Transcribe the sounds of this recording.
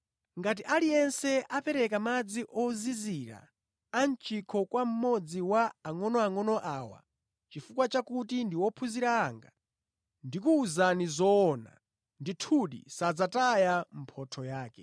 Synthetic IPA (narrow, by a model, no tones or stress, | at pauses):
ŋɡat̬iʔalijɛnsɛapɛɾɛkamad͡ziʔɔziziɾa̰ | ant͡ʃikʰɔkwam̩mɔd͡ziwaaŋɔnɔaŋɔnɔʔaːwa̰ | t͡ʃifukwat͡ʃakutindiwɔpʰuziɾaːŋɡa | ndikuːzanizɔːna̰ | nditʰuɗḭsad͡zatajam̩pʰɔtʰɔjaːkɛ